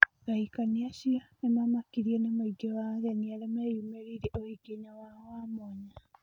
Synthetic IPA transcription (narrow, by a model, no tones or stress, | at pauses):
ɾaikaniaʃianemamakiɾienamaiɡewaːɣenialemejumeɾiɾiʔoiɡeɲawahamoɲa